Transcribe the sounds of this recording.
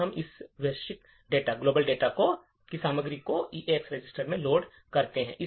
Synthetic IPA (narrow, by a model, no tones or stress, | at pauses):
ɐmɪsʋeʃɪk | ɖeːʈaɡloːbəlɖeːʈako | kisaːməɡɾikoiːʔeːksɾed͡ʒɪsʈəɾmẽloːɖ | kɐɾt̪eɦɛ̰̃ʔɪ